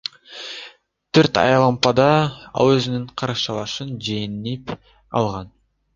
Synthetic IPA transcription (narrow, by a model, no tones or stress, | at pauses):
t̪ʰøɾt̪ɑ̰jɑlˠɑmpɑd̪ɑɑ̰lˠøzynyɴqʰɑɾɑʃɑlˠɑʃɯnd͡ʒenip | ɑ̰lˠʁɑn